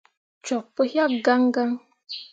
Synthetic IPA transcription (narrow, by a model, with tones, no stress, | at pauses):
t͡ʃɔ˨k̚pə˦hja˦ɡa˦ŋɡa˦ŋ